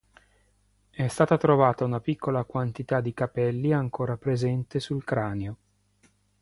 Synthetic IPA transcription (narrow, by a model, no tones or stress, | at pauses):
ɛst̪aːt̪at̪ɾovaːt̪aunapikːolakwant̪it̪ad̪ːikapɛlːiaŋkoːɾapɾezɛnt̪esulkɾaːneo